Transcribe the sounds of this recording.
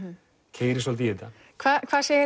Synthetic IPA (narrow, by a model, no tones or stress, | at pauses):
cʰeːjɾɪs̬ɔlt̪ijɪt̪a | kʰvaːkʰvaːsɛ